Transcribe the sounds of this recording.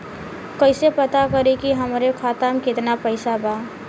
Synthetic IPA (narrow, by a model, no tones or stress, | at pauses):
kəɪsepət̪akəɾekiɦɐmɾekʰaːt̪əmkɪt̪napəɪsabaː